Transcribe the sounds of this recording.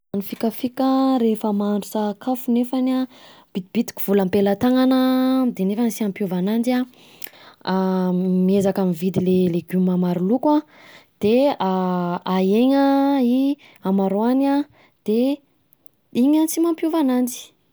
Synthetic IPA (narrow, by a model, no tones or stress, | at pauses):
anifikəfikʲəɾefəmanɖ͡ʐusakʰafunefanab̥id̪ib̥it̪i̥ki̥v̥uləmpelat̪aŋanəd̪enefansiampjovanand͡ʒia | miezakamivid̪ileleɡymamaɾulukwa | d̪̥eaaeɲai | amaɾoana | d̪̥e | iɲant͡simampjuvanand͡ʒi̥